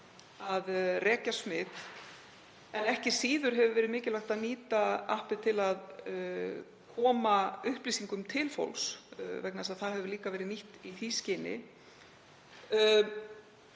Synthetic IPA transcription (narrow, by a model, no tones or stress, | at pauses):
aðrɛːcasmɪt̪ | ɛnɛhcɪ̥siːðʏɾ̥ɦɛvʏvɛːɾɪðmɪːcɪlaxt̪aðniːt̪aa̰hpɪt̪ʰɪlað | kʰɔːmaʏhpliːsiŋkʏmt̪ʰɪlfo̰wlsvɛk̚nasaðθaðɦɛvʏliːkavɛːɾɪniht̪iθiːscɪnɪ̰